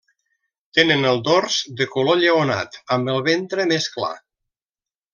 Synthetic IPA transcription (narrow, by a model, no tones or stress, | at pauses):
t̪enənəlˠd̪orzd̪əkuloʎəona̰t̪əmbəlˠβent̪ɾəmeskla̰